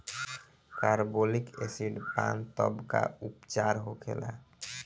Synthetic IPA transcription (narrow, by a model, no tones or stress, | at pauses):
kaɾbolikesiɖpant̪ɔbka̰upt͡ʃaɾɦokʰela̰